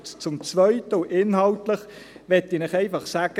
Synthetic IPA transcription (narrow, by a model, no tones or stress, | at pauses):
t͡sʊmt͡svœʏtəuʔɪnhɑltləχ | ʋɛtːɪːnɪχɛɪfɑχsaːɡ̥ə